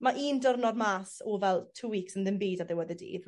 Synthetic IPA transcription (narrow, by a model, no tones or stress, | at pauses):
maʔiːndərnɔdmaːsɔvɛlˠtʰuːwiːksənðɪnbiːdaðɛwɛðədḭːd